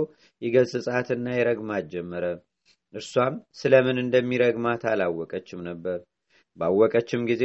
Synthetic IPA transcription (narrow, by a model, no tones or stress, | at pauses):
w | jɛɡəlsɨsʼat̪ɨnːajɛɾəɡmad͡ʒɛmːəɾə | ʔɨɾswamsɨləmɨnɨnd̪əmːiɾəɡmat̪ʰalawːɔkʼət͡ʃːɪmnəbːəɾ | bawːɔkʼət͡ʃːɪmɡize